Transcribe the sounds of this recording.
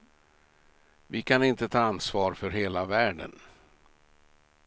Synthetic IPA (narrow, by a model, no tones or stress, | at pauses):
vɪkʰanɪnt̪ət̪ʰɑːansvɑːɾfœɾɦeːlavæːɖə̰n